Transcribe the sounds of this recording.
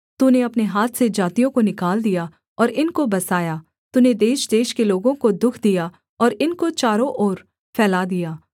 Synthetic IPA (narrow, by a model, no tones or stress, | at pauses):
t̪uneɐpneɦaːt̪ʰsed͡ʒaːt̪ijõkonɪkaːld̪ija | ɔːɾɪnkobɐsaːjaː | t̪uned̪eːʃd̪eːʃkeloːɡõkod̪ʊkʰd̪ija | ɔːɾɪnkot͡ʃaːɾõʔɔːɾ | fʰɛːlad̪ijaː